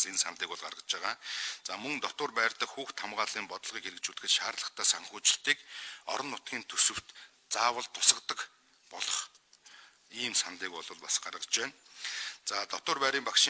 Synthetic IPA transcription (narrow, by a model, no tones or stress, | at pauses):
t͡sensant̪iːkʊɮɢa̰ɾʁə̆t͡ɕaːʁaːt͡saːmɵŋt̪ɔt̪ʊːrpæːrt̪ə̆kxuːxt̪ʰːamʁaːɮiːmpɔt̪ɞ̆ɮʁiːkeɾɘ̆k̚t͡ɕuːɮt̪ɡɘ̆t̪ʃaːrɮə̆χt̪ʰæːsaŋxuːt͡ɕɪ̆ɬt̪iːkɔ̰ɾɞ̆nːʊt̪ɡʲiːnt̪ʰɵsɵ̆w̥t̪ | t͡saːwə̆ɮt̪ʰːʊ̥sə̆qt̪ə̆k | pɔɮɞ̆χ | iːmsant̪iːkɔɮʊ̆ːɮpasɢarʁə̆t͡ɕeːnt͡saːt̪ɔt̪ʊːrpæːɾiːmpakʃi